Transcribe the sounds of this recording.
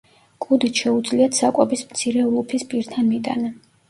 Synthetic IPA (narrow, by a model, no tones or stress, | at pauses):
kʼud̪it̪ʰʃɛud̪zliat̪ʰsakʼɔbismt̪sʰiɾɛlˠupʰispʼiɾt̪ʰanmit̪ʼa̰na